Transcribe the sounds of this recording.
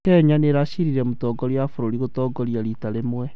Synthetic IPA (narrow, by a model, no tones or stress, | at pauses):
kɛɲaneɾaɕiɾiɾɛmotɔɡɔɾiafoɾoɾiɣotɔɡɔɾiaɾitaɾemwɛ